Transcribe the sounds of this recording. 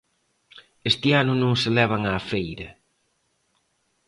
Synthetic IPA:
est̪ɪanʊnõŋselɛβ̞ɐŋaːfejɾɐ

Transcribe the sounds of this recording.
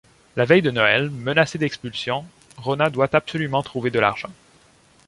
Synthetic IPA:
lavɛjd̪ənɔɛlmənased̪ɛkspylsjɔ̃ | ʁɔnad̪wat̪ab̥sɔlymɑ̃t̪χuved̪əla̰ʁʒ̥ɑ̃

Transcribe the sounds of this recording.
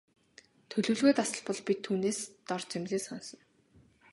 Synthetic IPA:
t̪ʰɵɮɵ̆ːɮɣeːt̪asə̆ɮpɔ̆ɮpʲit̪ʰːuːneːst̪ɔrt͡semɮiːsɔnsɞ̆n

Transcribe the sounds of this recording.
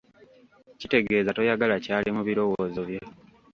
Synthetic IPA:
cite̞ɡe̞ːzato̞jaɡalacaːlʔimuβiɾo̞woːzoβje

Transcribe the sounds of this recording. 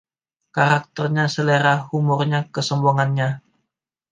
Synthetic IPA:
kaɾak̚t̪ərɲasəleɾahumʊrɲakəsɔmboŋanɲa

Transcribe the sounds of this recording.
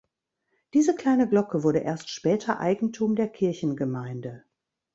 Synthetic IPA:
d̥iːzəkl̥aɪnəɡlɔkəvʊɐɾəʔeːɐstʃpɛːtʰɐʔa̰ɪɡŋ̩tʰuːmdeːɐkʰɪɐçn̩ɡəmaɪndə

